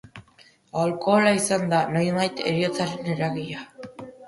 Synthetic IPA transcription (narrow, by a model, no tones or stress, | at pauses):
alko̞ːlaisand̪anojβajt̪ḛɾio̞t͡saɾeneɾaɣiʎa